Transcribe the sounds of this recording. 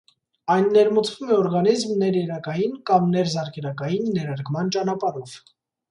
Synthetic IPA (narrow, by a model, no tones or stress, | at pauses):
ɑjnːɛɾmut͡svumɛɔɾɡɑnizmnɛɾjɛɾɑkɑjinkɑmnɛɾzɑɾkʰɛnɑkɑjinːɛɾɑɾkmɑnt͡ʃɑnɑpɑɾɔv̥